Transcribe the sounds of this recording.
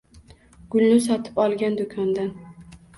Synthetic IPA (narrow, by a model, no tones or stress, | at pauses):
ɡ̥ʊlnɪsɒt̪ʰɪ̥pɒlˠɡʲand̪ʊkʰɒnd̪an